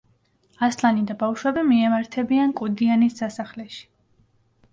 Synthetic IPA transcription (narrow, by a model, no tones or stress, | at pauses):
aslˠanid̪abafʃwɛbimiɛmaɾt̪ʰɛbiankʼud̪ianisdasaχlɛʃi̥